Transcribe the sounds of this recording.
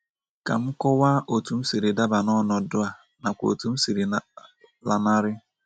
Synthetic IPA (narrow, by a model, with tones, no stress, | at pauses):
ka̰˨m̩˦kɔ˦waː˦ʔo˨tu˨m̩˦si˨ɾɪ˨da˦ba˨nɔ˦nɔ˨dʊ˦a˨ | na˨kʷo̰˨tu˨m̩˦si˨ɾi˨n˨ | la˨na˦ɾɪ˦